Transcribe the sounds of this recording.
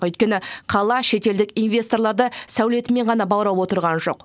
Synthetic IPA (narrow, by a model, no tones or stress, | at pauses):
ɵjt̪̚kʲe̞nɪqʰɑlˠɑʃe̞t̪e̞ld̪ɪkinvʲe̞st̪o̞rlˠɑɾd̪əsæwle̞t̪ɪme̞ɴʁɑnɑbɑwɾɑwwo̞t̪əɾʁɑnʒo̞̰q